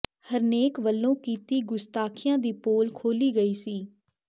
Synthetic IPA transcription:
həɾneːkʋəlːõːkiːt̪iːɡʊst̪aːkʰɪjãːd̪iːpoːlkʰoːliːɡəiːsiː

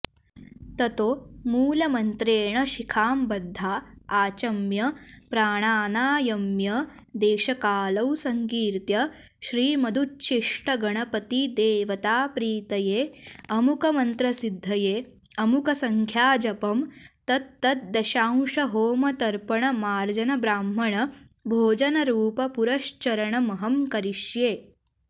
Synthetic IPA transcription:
t̪ɐt̪oːmuːlɐmɐnt̪ɾeːɳɐʃikʰaːmbɐd̪ʱːaːaːt͡ʃɐmjɐpɾaːɳ̃aːnaːjɐmjɐ | d̪eːʃɐkaːlɐwsɐŋkiːɾt̪jɐ | ʃɾiːmɐd̪ʱutt͡ʃʰiʂʈɐɡɐɳ̃ɐpɐt̪id̪eːʋɐt̪aːpɾiːt̪ɐjeːɐmukɐmɐnt̪ɾɐsid̪ʱːɐjeː | ɐmukɐsɐŋkʰjaːd͡ʒɐpɐmt̪ɐt̪ːɐt̪̚d̪ɐʃaːw̃ʂɐɦoːmɐt̪ɐɾpɐɳɐmaːɾd͡ʒɐnɐbɾaːmːɐɳɐ | bʱoːd͡ʒɐnɐɾuːpɐpuɾɐʃt͡ʃɐɾɐɳɐmɐɦɐmkɐɾiʃjeː

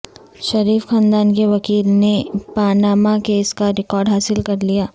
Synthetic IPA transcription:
ʃɐɾiːfxãːnd̪aːnkeʋɐkiːlnepaːnaːmakeːskaɾɪkɔːɾɖɦaːsɪlkɐɾlijaː

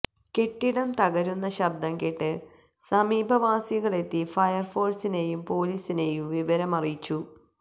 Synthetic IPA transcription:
ke̞ʈːiɽɐmt̪ɐɣɐɾunːɐɕɐb̚d̪ɐŋkeʈːɨ | sɐmiːbʱɐʋaːsiɣɐɭe̞t̪ːifɐjɐrfo̞ːrsine̞jumpo̞ːliːsine̞jumʋiʋɐɾɐmɐrijit͡ɕːu

